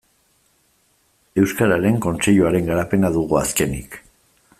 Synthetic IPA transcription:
e̞wskaɾaɾe̞ŋko̞nt͡se̞ʎuaɾe̞ŋɡaɾape̞naðuɣua̰ske̞nḭk

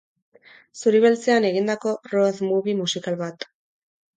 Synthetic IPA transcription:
suɾiβe̞lt͡se̞ane̞ɣind̪ako̞roðmuβimusikalβat̪

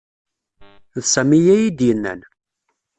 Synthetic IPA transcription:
ðsæmijæjid̪jənːə̰n

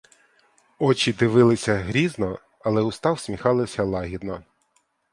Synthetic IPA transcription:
ɔt͡ʃid̪ɪʋɪlˠɪsʲɐɦɾʲiznɔ | ɐlˠɛʊst̪ɑwsʲmʲixɑlˠɪsʲɐlˠɑɦʲid̪nɔ

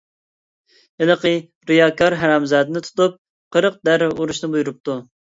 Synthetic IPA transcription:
ɪlˠəqə | ɾijɑːkʰɑɾɦæɾɑmzɑːd̪ɨnɪt̪ʰu̥t̪up̚ | qʰəɾəq̚d̪æɾuɾuʃnɨbujuɾup̚t̪u

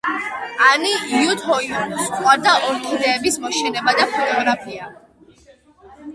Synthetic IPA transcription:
aniut̪ʰɔist̪ʼwaɾd̪aʔɔɾt̪ʰid̪ɛːbismɔʃɛnɛbad̪apʰɔt̪ʼɔɡɾapʰia

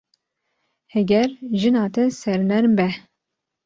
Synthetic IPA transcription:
hɛɡʲɛɾʒɨnɑːt̪ʰɛsɛɾnɛɾmbɛ

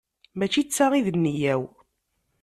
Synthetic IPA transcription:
mæt͡ʃit͡sːaʁiðənːijæw

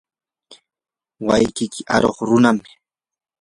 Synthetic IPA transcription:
wajkɪkɪʔaɾoχɾʊnamɪ

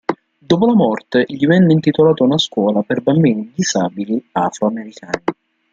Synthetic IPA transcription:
d̪oːpolamɔrt̪eʎːivɛnːɪint̪it̪olaːt̪aunaskwɔːlaperbambiːnid̪izaːbiliafɾoameɾikʰaːni

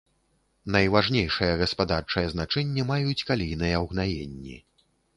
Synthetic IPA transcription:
nɐjvaʐnʲejʂɨjɐɣɐspad̪art͡ʂɐjɐznat͡ʂɛnʲːɛmajut͡sʲkalʲijnɨjɐwɣnajḛnʲːḭ

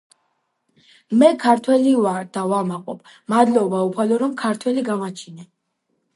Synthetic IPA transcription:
mɛkʰaɾt̪ʰwɛlivaɾd̪̥avamaqʼɔ̰b̥ | mad̪lɔbaupʰalɔɾɔmkʰaɾt̪ʰwɛliɡamat͡ʃʰinɛ

